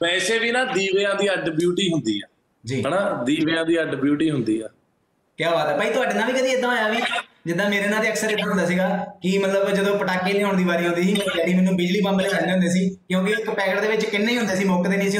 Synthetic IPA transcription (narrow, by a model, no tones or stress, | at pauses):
pɛːseːʋiːnãːd̪iːʋeːãːd̪iːəɖbjuːʈiːɦʊnd̪iːɛː | d͡ʒiːɦənãːd̪iːʋeːãːd̪iːəɖbjuːʈiːɦʊnd̪ḭːɛː | kjaːɦaːt̪ɛːpaːiːt̪ʊaːɖeːnãːʋiːkəd̪iːeɪd̪ãːjaːʋiːd͡ʒɪd̪ːãːmeːɾeːnãːd̪eːəksəɾet̪ːaːɦʊnd̪aːsiːɡaːkɪmət̪ləbd͡ʒəd̪õːpəʈaːkːiːnĩːɦoːɳd̪iːbaːɾiːɦʊ̃nd̪iːsiːmeːɾiːd͡ʒɛːɽiːmɛːnũːbɪd͡ʒliːpãmbəleːsãnd͡ʒɦʊnd̪eːs̬iːkjõːk̬ɪɪkpɛːkəʈd̪eːʋɪt͡ʃkɪnːeːiːɦʊ̃nd̪eːsiːmɔːkd̪eːnĩːəsiː